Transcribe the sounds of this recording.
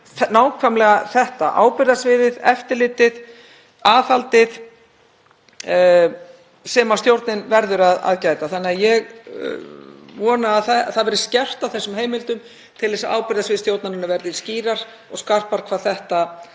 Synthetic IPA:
naːwkʰvamlɛɣaθɛht̪a̰ʔa̰ːwpɪɾðasvɪːðɪðɛft̪ɪɾlɪːt̪ɪð | aːfalt̪ɪð | sɛmast̪jowɾt̪nɪnvɛɾðʏɾaða̰ðcaːjt̪aθanːɪajɛɣ | vɔːnaːðθɛθaðvɛɾɪ̥scɛr̥t̪awθɛsːʏmɦeːjmɪlt̪ʏm | t̪ʰɪlɛsaaːwpɪɾðasvɪːðɪst̪jowt̪nanʏnːavɛɾðɪ̥sciːɾaɾ̥ | ɔɣskar̥paɾ̥kʰvaːðθɛht̪a

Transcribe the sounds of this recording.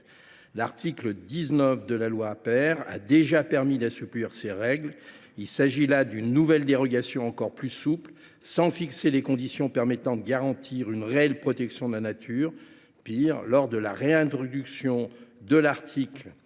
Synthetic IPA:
laʁt̪ʰikləd̪iznəfd̪əlalwaːpɛʁa̰d̪eʒapɛʁmid̪asypliʁseʁɛɡl | ilsaʒilad̪ynːuvɛld̪eʁɔɡasjɔ̃ɑ̃kɔʁplysupl | sɑ̃fikselekɔ̃d̪isjɔ̃pɛʁmɛt̪ɑ̃d̪əɡaʁɑ̃t̪ʰiʁynʁeɛlpχɔt̪ɛksjɔ̃d̪əlanat̪ʰyːʁ | piʁlɔʁd̪əla̰ʁeɛ̃t̪χɔd̪yksjɔ̃d̪əlaʁt̪ʰikl

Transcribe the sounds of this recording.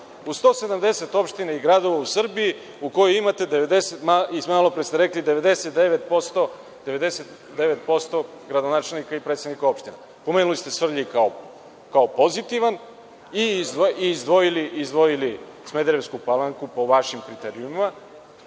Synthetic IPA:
ust̪o̞ːse̞d̪amd̪e̞se̞t̪o̞pʃt̪inaiɡɾad̪o̞ʋausr̩biji | uko̞joimat̪e̞d̪eʋed̪eset̪maismomaːlo̞pɾest̪eɾeklid̪e̞ʋed̪e̞set̪̚d̪eʋet̪̚post̪o | d̪eʋe̞d̪e̞set̪ | d̪e̞ʋet̪̚po̞st̪o̞ | ɡɾad̪onaːt͡ʃe̞lnikaipɾet̪senikao̞pʃt̪ine | po̞menulist̪e̞sʋr̩ʎikao | kaopo̞zit̪iʋan | izoiːzd̪ʋo̞jiliʔizd̪ʋo̞jili | smed̪eɾe̞skupalˠaŋkupo̞ʋaʃimkɾit̪eɾiumima

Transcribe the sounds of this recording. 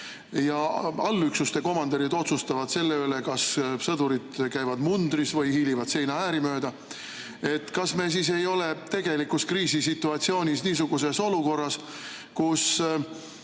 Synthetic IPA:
jɑɑlːyksust̪e̞ko̞mɑnd̪eɾid̪o̞t̪sust̪ɑvɑd̪̥se̞lːeøle̞kɑssɤd̪uɾid̪̥kæjvɑd̪mund̪̥ɾisvɤjhiːlivɑd̪̥se̞jnɑæːɾimø̞ːd̪̥ɑ | e̞t̪ːkɑsme̞s̬is̬e̞jo̞le̞t̪e̞ɡ̥e̞likuskriːsisit̪ːˑuɑt̪sio̞ːnʲisniːs̬uɡuse̞so̞luko̞rːɑs | kus

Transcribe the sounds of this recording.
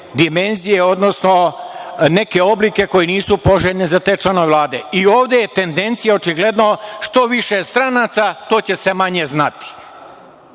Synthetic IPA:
d̪ime̞nzijeo̞d̪no̞sno̞ | ne̞ke̞o̞blike̞ko̞jeniːsupo̞ʒeʎnezat̪e̞ːt͡ʃlanoʋelˠaːd̪e̞̰ioːʋd̪je̞jet̪e̞nd̪e̞nt̪sijao̞t͡ʃiɡle̞d̪no̞ʃt̪o̞ʋiʃest̪ɾanat̪sat̪o̞ːt͡ɕe̞semaɲe̞znat̪i̥

